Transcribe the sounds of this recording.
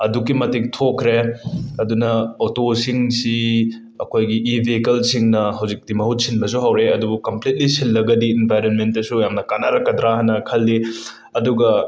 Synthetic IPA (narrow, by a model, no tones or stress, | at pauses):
ɐdukimɐtik̚tʰokʰɾeɐdunɐotosiŋsi | ɐkʰojɡiʔːbʱekɐlsiŋnɐɦɐwzik̚dimɐɦut̚sinbɐsuɦɐwɾeɐdubukɐmplit̚lisinːɐɡɐdienpajɾenmentːɐsujamnɐkanaɾɐkːɐdɾaɦɐnːɐkʰɐlːi | ɐduɡɐ